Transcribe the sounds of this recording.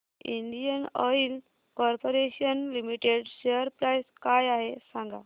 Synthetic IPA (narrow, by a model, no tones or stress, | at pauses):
iɳɖijənəil | kɔɾpoɾeɕənlimiʈeɖɕeəɾpɾajskajaɦesãŋɡa